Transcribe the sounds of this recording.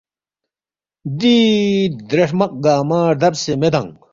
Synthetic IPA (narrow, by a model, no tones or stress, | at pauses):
d̪id̪ɾɐʂmɐq̚ɡaːmaːɾd̪ɐbsemed̪ɐŋ